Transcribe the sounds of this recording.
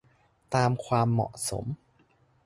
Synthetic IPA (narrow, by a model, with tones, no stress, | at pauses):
t̪aː˧mkʰwaː˧mːɔ̰˨˩ʔso̰˩˦m